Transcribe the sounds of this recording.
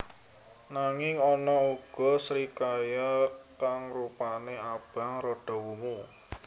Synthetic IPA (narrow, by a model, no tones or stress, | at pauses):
naŋɪŋɔnɔuɡ̥ɔ̤sɾikajakaŋrupaneab̥a̤ŋrɔɖ̥ɔ̤wumu